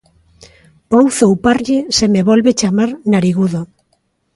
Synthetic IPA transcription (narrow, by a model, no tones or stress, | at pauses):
owθowpaɾʎɪsemeβɔlβet͡ʃamaɾnaɾiɣuðo